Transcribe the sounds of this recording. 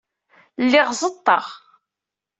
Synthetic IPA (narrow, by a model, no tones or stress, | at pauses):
lːɪʁzˤət̪ˤːɑʁ